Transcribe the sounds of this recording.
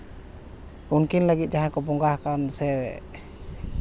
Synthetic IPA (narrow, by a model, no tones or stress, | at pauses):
unkinləɡit̪̚d͡ʒaɦãkɔbɔŋɡahkansɛwɛʔ